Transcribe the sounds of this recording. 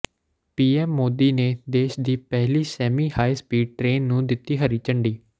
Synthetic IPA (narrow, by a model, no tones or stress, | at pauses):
piːɛːmːoːd̪iːneːd̪eːʃd̪iːpɛɦliːsɛːmiːhaːispiːɖ̚ʈɾeːnːũːd̪ɪt̪iːɦəɾiːt͡ʃəɳɖiː